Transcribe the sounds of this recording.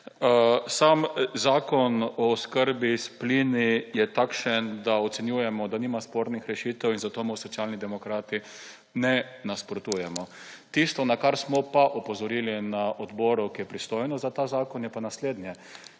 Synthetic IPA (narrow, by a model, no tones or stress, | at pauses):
samzaːkɔnɔːskəɾbisplinijɛt̪akʃənd̪aɔt̪sɛnjuːjɛmɔd̪aniːmaspoɾnixɾɛʃiːt̪ɛwinzat̪oːmɔwsɔtsʲjaːlnid̪ɛmɔkɾaːt̪i | nɛnaspɾot̪uːjɛmɔ | t̪ist̪ɔnakaɾsmɔpaʔɔpɔzɔɾiːlinaʔɔd̪bɔːɾukijɛpɾist̪ojnɔzat̪aːzaːkɔnjɛpanasleːd̪njɛ